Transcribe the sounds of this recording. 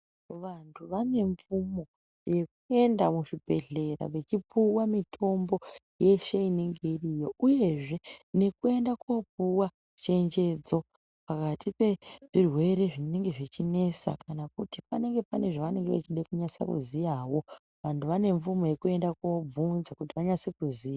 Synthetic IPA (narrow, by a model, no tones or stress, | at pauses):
ʋantʰuʋane̞ɱfumo̞ | je̞k̚ue̞ndamuʂibʱe̞ɮe̞ra̰ʋe̞t͡ʃipʰuwamitʰo̞mbo̞ | je̞ʃeiniŋɡerijo̞ʔuje̞ʐe̞ne̞kue̞ndakop̚uwa | t͡ʃe̞ɲd͡ʒe̞d͡zo̞ | pakatʰipe̞ʐ̥irwe̞ɾe̞ʐine̞ŋɡe̞ʐit͡ʃine̞sa̰kʰanakutipane̞ŋɡe̞pane̞ʐaʋane̞ŋɡeʋḛt͡ʃiɗekuɲasa̰kṵzijawo̞ | ʋantʰuʋane̞ɱfumo̞je̞kue̞ndako̞b͡vunzakutiʋaɲasekuziːja